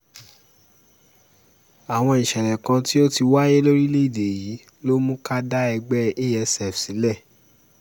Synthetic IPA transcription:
a˨w̃ɔ̃˧i˨ʃɛ˨ɾɛ̃˨kã˧ti˦o˦ti˧wa˦je˦lo˦ɾi˦le˦i˦˨de˨ji˨˦ | lo˦mũ˦ka˦da˦ɛ˧ɡ͡bɛ˦e˦ɛ˧sɛ˨fsĩ˨˦lɛ˦˨

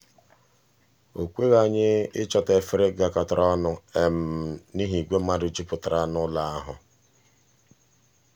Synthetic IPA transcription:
o˨kʷe˦ɣa˦˨ɲɪ˦ɪ˦t͡ʃɔ˨te˨fɪ˦ɾɪ˦ɡa˨kɔ˨ta˨ɾɔ˦nʊ˨e˨m̩˨ni˦ɦi˨ɡʷe˦m̩˦ma˦dʊ˨d͡ʒi˦pʊ˨ta˨ɾa˦nʊ˦la˦a˦ɦʊ̰˨

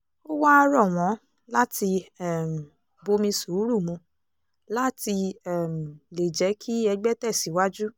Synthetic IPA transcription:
o˦wa˦˧ɾɔ˦˨w̃ɔ̃˨˦ | la˦ti˧ɛ˦˨m̩˨ | bo˧mĩ˧su˨˦ɾu˦˨mũ˧ | la˦ti˧ɛ˦˨m̩˨le˨d͡ʒɛ˨˦kʰi˦ɛ˧ɡ͡bɛ˦tɛ˦˨si˨˦wa˦d͡ʒu˦

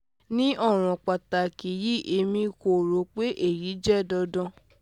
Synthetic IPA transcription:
nĩ˦ʔɔ˦˨w̃ɔ̃˨k͡pa˨ta˨ki˨ji˦ʔe˧mĩ˧ko˨ɾo˨˦k͡pe˦ʔe˦˨ɾi˨˦d͡ʒɛ˦˨dɔ˧dɔ̃˧

